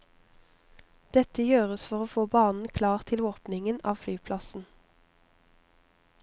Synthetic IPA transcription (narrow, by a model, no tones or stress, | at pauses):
d̪̥ɛt̪əjøːʁəsfɔʁoːfoːbɑːnn̩kʰlɑːʁt̪ʰɪloːpnɪŋənɑ̰ːʋflyːpʰlɑsn̩